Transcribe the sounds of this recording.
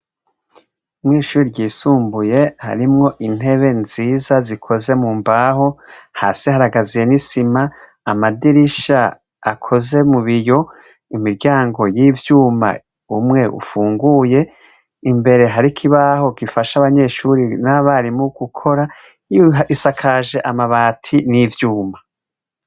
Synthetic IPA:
umŋiːʃuːɾiɾɟiːsuːmbuje̞ha̰ɾimŋo̞ʔin̥he̞βe̞nziːzazikʰo̞ze̞muːmbaɦo̞haːsihaɾaɡazije̞nisimaː | madiɾiʃa | akʰo̞ze̞muβijo̞ | imiɾɟaːŋɡo̞jiːvjuːma̰ | umŋe̞ʔṵfuːŋɡuje̞ | imbe̞ɾe̞ɦaɾikʰiβaho̞ɡifaʃaβaɲe̞ʃuɾinaβaɾimuɡ̥ukʰo̞ɾa | isakʰaʒe̞ʔamaβaːtʰinivjuːma

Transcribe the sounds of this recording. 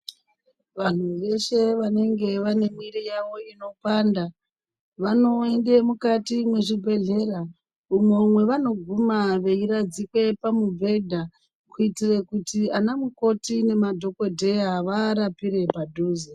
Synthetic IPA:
ʋan̤uʋe̞ʃe̞ʋane̞ŋɡe̞ʋane̞mwiɾijaʋo̞ino̞panda | ʋano̞ende̞mukatimwe̞ʐibʱe̞ɮe̞ɾa | umomwe̞ʋano̞ɡʱumaʋe̞iɾad͡zikwe̞pamuvʱe̞dʱa | kuitirekutianamuko̞tine̞madʱo̞ko̞dʱe̞jaʋaɾapiɾe̞padʱuːze

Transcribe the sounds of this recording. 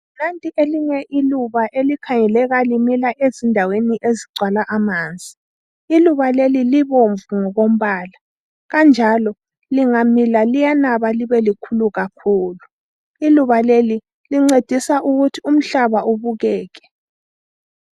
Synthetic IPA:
nantʼiʔeliɲɛʔiluβaʔelikʰaŋɛlɛɣalimilaʔezindʱaweniʔeziɡ͡ǀwalaʔamaːnd͡zʱi | iluβaleliliβoɱvuŋɔɣom̩βaːla | ɣand͡ʒʱalɔ | liŋamilalijanaβaliβɛlikʰuluɣakʰuːlu | iluβaleli | liŋ͡ǀed̥ʱisaʔuɣutʰium̩ɬaβauβuɣɛːɣɛ̥

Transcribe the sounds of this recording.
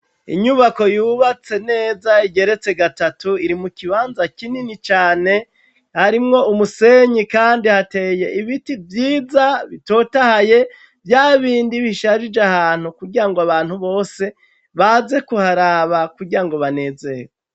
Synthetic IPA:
ḭɲuβako̞juːβat͡se̞ne̞ːzaiɡe̞ɾe̞t͡se̞ɡatatuiɾimukiβaːnzakininit͡ʃaːne̞ | haɾimŋo̞umuse̞ɲikaːndihate̞ːje̞ʔiβitivjiːzaβito̞ːtahaje̞ | vjaːβiːndiβiʃaʒid͡ʒeahaːn̥hukuɡiɾaŋɡoaβaːn̥huβo̞ːse̞ | βaze̞kuhaɾaβakuɡiɾaŋɡo̞βane̞ze̞je

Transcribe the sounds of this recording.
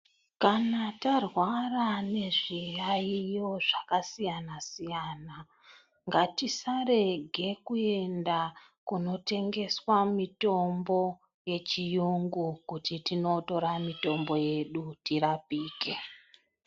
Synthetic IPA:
kanatarwarane̞ʐijaijoʐakasijanasijana | ŋɡatisare̞ɡʱe̞kue̞nda | kuno̞te̞ŋɡe̞swamito̞mbo̞ | je̞t͡ʃijuŋɡukutitinoto̞ɾamito̞mbo̞je̞ɗutiɾapiːke

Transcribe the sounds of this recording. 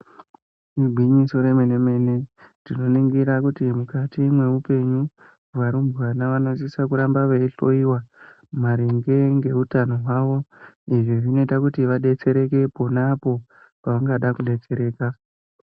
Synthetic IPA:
iɡʱwiɲiso̞ɾe̞meneme̞nedino̞niŋɡiɾakutimukatimwe̞upe̞ɲu | ʋaɾumbanaʋano̞sisakuɾambaʋeiɬo̞iwa | maɾeŋɡe̞ŋɡe̞utano̞ɦwaʋo̞ | iʐeʐine̞takutiʋaɗe̞t͡se̞ɾe̞ke̞po̞napo̞ | paʋaŋɡaɗakuɗe̞t͡se̞ɾe̞ːka

